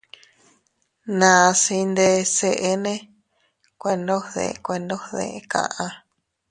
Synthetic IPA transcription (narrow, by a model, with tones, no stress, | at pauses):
nã˨˧si˧nd̪e˧se˧ʔe˦nẽ˦ | kʷe˧ndo˦ðḛ˧kʷe˧ndo˦hðḛ˧ʔkã̰˧ʔã˧